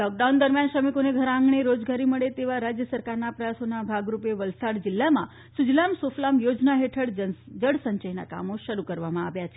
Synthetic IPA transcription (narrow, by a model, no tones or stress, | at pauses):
lɔk̚ɖaund̪əɾmjanʃəmikoneɡʱəɾãŋɡɳeɾod͡ʒɡaɾiməɭet̪eʋaɾad͡ʒjəsəɾkaɾnapɾəjasonabʱaɡɾupeʋəlsaɽd͡ʒɪlːamã | sud͡ʒlamsoflamjod͡ʒnaɦeʈʰəɽd͡ʒəɽsəɲt͡ʃəjna̰ka̰moʃəɾukəɾʋamãaʋjat͡ʃʰe